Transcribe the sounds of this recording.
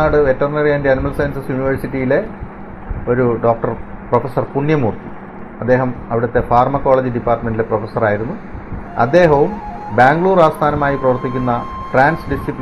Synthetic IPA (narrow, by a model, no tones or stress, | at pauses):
aːɽɨʋetːɐrnɐrijaːndeɐnimɐlsɐjnsɐsjuniʋɐrsiʈːijile̞ | o̞ɾuɖo̞ːk̚ʈɐrprofesɐrpuɳjɐmuːrt̪i̥ | ɐd̪ːe̞ːɦɐmɐʋiɽɐt̪ːe̞faːrmɐkːo̞ːɭeːd͡ʑiɖipːaːrʈɐme̞ndileprofesːɐraːjiɾunːuɐ̰d̪ːe̞ːɦɐʋumbaːŋɡɭuːraːst̪ʰaːnɐmaːjiprɐʋɐrt̪ːikʲːunːɐfraːnsɖisipl